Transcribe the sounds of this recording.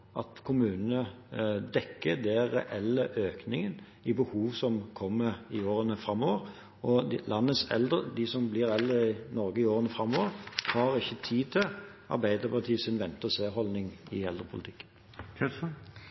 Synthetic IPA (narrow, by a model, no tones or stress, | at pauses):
ʔɑ̰t̪kʰʊmʉːnənəd̪ɛkːəd̪ɛɾɛ̰ʔɛlːəʔøːknɪŋən | ɪbəhuːʋsɔmkʰɔmːəɾɪoːɾənəfɾɑmːɔʋəɾ | ɔlʔɑnːəsɛ̰ld̪ʁəd̪ɪsɔmblɪɾɛɛld̪əɪnɔɾɡəɪoːɾənəfɾɑmːɔːʋəɾhɑːɾɪçːət̪ʰiːt̪ʰɪlʔɑ̰ɾbæɪd̪əɾpɑt̪ʰiːəsɪnʋɛnt̪əseːɦɔlnɪŋɪɛld̪ɾəpʰʊlɪt̪ʰɪ̥kːə̥nʰ